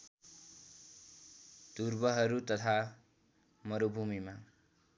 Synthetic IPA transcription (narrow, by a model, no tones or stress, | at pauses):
t̪uɾbʌɦʌɾut̪ʌt̪ʰa | mʌɾobʱumima